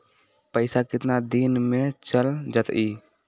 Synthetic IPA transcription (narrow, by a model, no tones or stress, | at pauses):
pəɪsakɪt̪nad̪iːnmɪɽ̃t͡ʃəld͡ʒət̪iː